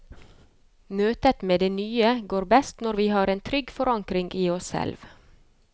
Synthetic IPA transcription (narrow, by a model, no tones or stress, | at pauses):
møːt̪ət̪meːd̪eːnyːəɡoːɾbɛst̪nɔɾʋiːhɑːɾeːnt̪ʰɾʏɡfɔɾɑŋkɾɪŋɡʔiːɔssɛ̰lʋ